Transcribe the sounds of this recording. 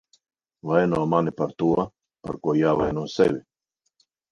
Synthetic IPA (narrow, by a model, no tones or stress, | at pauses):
vajnuɔmanipaɾt̪uɔ | pa̰ɾkuɔjaːvajnuɔsɛ̰vʲi